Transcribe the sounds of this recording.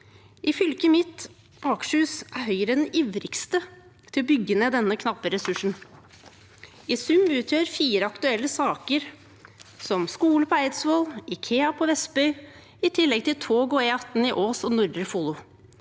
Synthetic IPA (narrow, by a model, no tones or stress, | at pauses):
ʔɪfʏlkəmɪt̪ː | ɑːkʃʉːsæɾɦœʏəɾəd̪ɛniːʋɾɪkst̪ə | t̪ʰɪlɔbʏɡəneːd̪ɛnːəkʰnɑpːəɾɛsʉʂɳ̩ | ɪsʉmʉːt̪ʰjøːɾfiːɾəɑkt̪ʉɛlːəsɑːkəɾ | sɔmskuːləpʰɔæɪd̪sʋoːlɪkʰeːɑpʰɔʋɛsbœʏ | ɪt̪ʰɪlːɛɡ̚t̪ʰɪlt̪ʰoːɡɔɛɑt̪n̩ɪʔoːsɔnʊɾd̪ɾəfulʊ